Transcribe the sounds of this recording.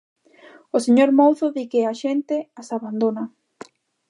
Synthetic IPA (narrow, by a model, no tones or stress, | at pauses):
oseɲoɾmowθoðikeaʃent̪easaβand̪ona